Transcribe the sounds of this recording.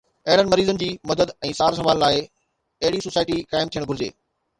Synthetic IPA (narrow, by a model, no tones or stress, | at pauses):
ɐɦɪɽənɪ̆mɐɾiːzənɪ̆d͡ʑiːmɐd̪əd̪ɛ̃ːsaːɾs̬ɐʋaːlːaːɪ | ɐɦɪɽisosaːɪʈikaːɪmt̪ʰijəɽ̃bʱʊld͡ʑḛː